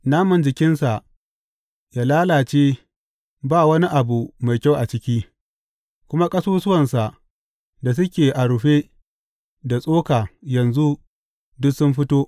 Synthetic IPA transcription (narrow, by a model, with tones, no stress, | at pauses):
naː˦mʊ˨nd͡ʒɪ˨kʲɪ˦nsa˨ʔ | jaː˨laː˦laː˨t͡ʃeː˦ | baː˦˨wɐ˦ni˦ʔa˨bu˨ma˨jkʲa˦˨wʔa˨t͡ʃɪ˦kʲiː˦ | kʷʊ˦ma˦kʼɐ˦suː˦sʊ˦wɐ˨nsa˨ʔ | da˨s̬ʊ˦kʲeː˨ʔa˨ɽʊ˨ɸe˦ | da˨sʼoː˦kaː˨jɐ˨nzu˦ | dʊ˦sʊ˦mɸɪ˦toː˦ʔ